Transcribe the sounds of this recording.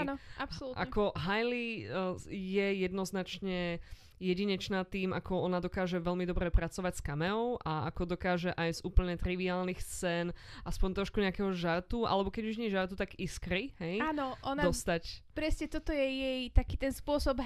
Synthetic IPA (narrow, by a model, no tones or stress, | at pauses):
anɔʔapsɔluʔa̰ɛkɔɦajli | jɛjɛd̪nɔznat͡ʃɲɛ | jɛɟiɲɛt͡ʃnaːt̪iːmakɔɔnad̪ɔkaːʒɛʋɛlmid̪ɔbɾɛpɾat͡sɔʋacskamɛɔʊʔaakɔd̪ɔkaːʒɛʔajzuːpl̩ɲɛt̪ɾiʋiaːlnixt͡sɛnʔaspɔɲt̪ɾɔʃkuɲɛakɛɦɔʒaɾt̪uʔa̰lɛbɔkɛɟuʒɲɪɛʒaɾt̪ut̪aɡiskɾiɦɛjaːnɔʔɔnd̪ɔst̪acpɾɛscɛt̪ɔt̪ɔjɛjɛjt̪akiːt̪ɛnspʊɔsɔb